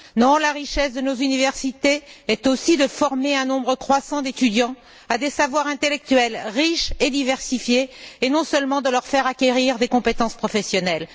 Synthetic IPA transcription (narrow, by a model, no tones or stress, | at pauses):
nɔ̃laʁiʃɛsd̪ənozynivɛʁsit̪eɛt̪osid̪əfɔʁmeɛ̃nɔ̃bʁəkχwasɑ̃d̪et̪yd̪jɑ̃ | ad̪esavwaʁɛ̃t̪elɛk̚t̪ɥɛlʁiʃed̪ivɛʁsifjeːnɔ̃səlmɑ̃d̪əlœʁfɛʁakʲeʁiʁd̪ekɔ̃pet̪ɑ̃spχɔfɛsjɔnɛl